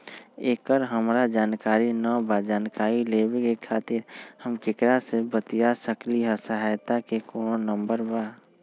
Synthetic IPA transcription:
eːkəɾɦəmɾad͡ʒaːnkaːɾinəbad͡ʒaːnkaːɾileːbekekʰaːt̪ɪɾhəmkɪkɾasebət̪ijasəkliɦəsəɦajt̪akekoːnonə̃mbəɾbaː

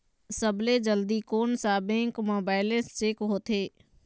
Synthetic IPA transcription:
səbled͡ʒəld̪ikoːnsaːbẽŋkmoːbaːɪlest͡ʃeːkɦoːt̪ʰeː

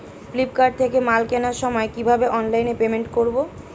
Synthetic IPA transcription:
flipkaɾɖ̚t̪ʰekemalkɛnaɾʃɔmɔekibʱabeʔɔnlajnepemeɳʈkoɾbo

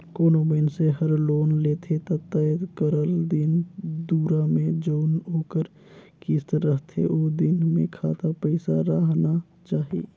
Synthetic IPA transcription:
koːnobenseɦəɾloːnleːt̪ʰet̪at̪əəd̪kəɾəld̪ɪnd̪uːɾamẽd͡ʒoːnoːkəɾ | kist̪ɾəɦt̪ʰḛʔoːd̪ɪnmḛ̃kʰaːt̪apəɪsaɾaɦna | t͡ʃaːɦḛː

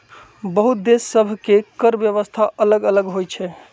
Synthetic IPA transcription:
bəɦut̪̚d̪esːəbʱkekəɾbjəβəst̪ʰaʔələɡələɡɦojt͡ʃʰɛ

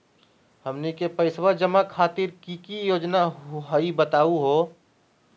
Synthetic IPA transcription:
həmnekepəɪsʋad͡ʒəmakʰaːt̪ɪɾkikijoːd͡ʒnaɦɦaibət̪aːuɦo

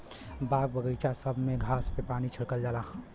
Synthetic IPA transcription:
baɡ̚bəɡəjt͡ʃasəbʱmeɡʱaspepanit͡ʃʰəɽkəld͡ʒalaɦ

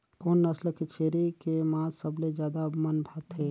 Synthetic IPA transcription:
koːnːəsləkɪt͡ʃʰeːɾikemãːsəbled͡ʒjaːd̪amənbʱaːt̪ɦeː

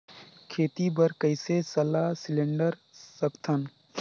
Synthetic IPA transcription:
kʰeːt̪ibəɾkəɪsesəlaːsɪlẽɳɖəɾsəkt̪ʰən

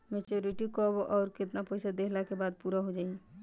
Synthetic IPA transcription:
met͡ʃoɾiʈikɔboʔɔʊɾkɪt̪napəjsad̪ekʰlakebad̪̚puɾaɦod͡ʒaːi

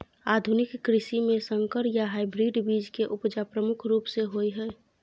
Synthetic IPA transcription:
aːd̪ʱʊnɪkːɾɪʃimẽsə̃ŋkəɾjaɦaːɪbɾiɖbiːd͡ʒkeʔʊpd͡ʒapɾəmʊkʰɾuːpseɦoiɦɛː

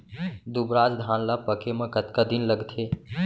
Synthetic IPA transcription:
d̪ubɾad͡ʒd̪ʱanlapəkʰemə̃kət̪kad̪inləɡt̪ʰe

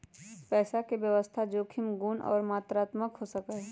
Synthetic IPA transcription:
pɛːsakebjəʋəst̪ʰad͡ʒoːkʰɪmɡuːnɔ̰ːɾmaːt̪ɾaːt̪məkɦosəkə

